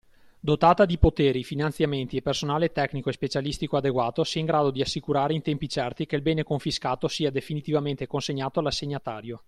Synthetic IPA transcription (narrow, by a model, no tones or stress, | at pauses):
d̪ot̪aːt̪ad̪ipot̪eːɾifinant̪sjament̪iepersonaːlet̪ɛknikoespet͡ʃalist̪ikoad̪eɡwaːt̪osiaiŋɡɾaːd̪od̪iasːikuɾaːɾeint̪ɛmpit͡ʃɛrt̪ikeilbɛːnekoɱfiskaːt̪osiːad̪efinit̪ivament̪ekonseɲːaːt̪oalasːeɲːat̪aːɾjo